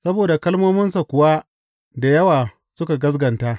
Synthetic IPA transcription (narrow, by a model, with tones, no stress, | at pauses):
sɐ˦boː˨da˨kɐ˦lmoː˦mɪ˦nsa˨kʷʊ˨wa˦ | da˨jɐ˦waː˨ | sʊ˦ka˨ɡɐ˦s̬ɡɐ˨nta˦ʔ